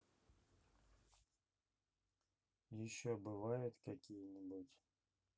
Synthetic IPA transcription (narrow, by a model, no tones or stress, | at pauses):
jɪɕːobɨvajʊt̪kɐkʲijənʲɪbutʲ